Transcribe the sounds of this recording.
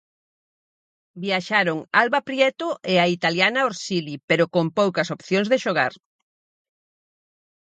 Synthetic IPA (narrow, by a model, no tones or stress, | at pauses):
biaʃaɾoŋalβapɾjɛt̪ʊʔeait̪aljanaoɾsilipeɾokompowkɐsopθjoŋzðeʃoɣaɾ